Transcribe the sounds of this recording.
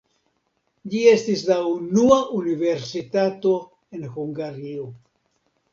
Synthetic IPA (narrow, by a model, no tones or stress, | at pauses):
d͡ʒie̞stislaunuaʔunive̞ɾsitato̞ | e̞nhuŋɡaɾio